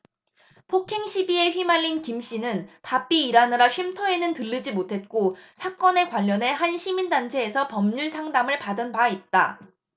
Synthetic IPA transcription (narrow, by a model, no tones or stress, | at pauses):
pʰokʰe̞ŋɕʰibie̞ɸɥimaʎːinkimɕ͈inɯnpap͈iːɾanɯɾaɕʰɥimtʰoe̞nɯntɯʎːid͡ʑimotʰe̞t̚k͈osʰak͈ʌne̞kwaʎːʌne̞ɦanɕʰimindant͡ɕʰe̞ːsʰʌpʌmɲuɭsʰaŋdamɯɭpadɯnbait̚t͈a̰